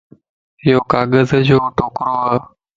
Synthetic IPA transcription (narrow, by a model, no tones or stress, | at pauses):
ɪjoːkaːɠəzd͡ʒʱoːʈoːkɾoːaː